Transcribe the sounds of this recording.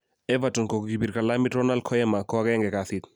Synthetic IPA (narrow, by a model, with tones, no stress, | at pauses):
ɛ˦vatɔ˨nko˨kɡi˨bi˨ɾka˨la˦mi˦tɾɔ˦na˦l̚kʰɔ˦ɛ˦ma˨kɔ˦ɡɛ˦ŋɡɛ˨kaθit̪